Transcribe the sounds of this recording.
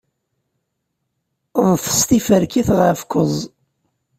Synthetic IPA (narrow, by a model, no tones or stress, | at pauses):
ðˤθə̥st̪ifəɾkiθʁəfkəzˤ